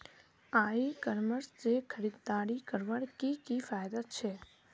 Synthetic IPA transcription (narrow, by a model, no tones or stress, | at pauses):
aikəɾməɾsd͡ʒekʰəɾid̪d̪aɽikəɾʋəɽkikifajd̪at͡ʃʰe